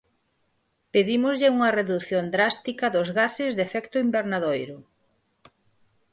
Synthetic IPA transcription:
peðimʊzʎɪuŋɐreðuθjond̪ɾast̪ikɐðʊzɣasɪzðefɛkt̪ʊimbeɾnaðojɾʊ

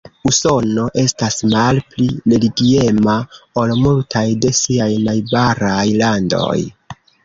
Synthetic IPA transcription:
uso̞no̞ʔe̞stasmalpliɾe̞liɡie̞mao̞lmultʰajde̞siajnajbaɾajlando̞̰j

